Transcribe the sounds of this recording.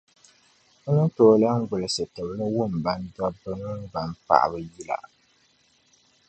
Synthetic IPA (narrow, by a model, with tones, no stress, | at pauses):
ʊ˦nɨ˦toː˦˨la˦ŋ˦ɡʊ˨lɨ˨sɨ˨tɨ˨blɨ˦wʊ˦˨m˨ba˦ndwa˦bɨ˦nʊ˦n˦ba˨m˦pa̰˨ʔa̰˨bɨ˦ji˦la̰˨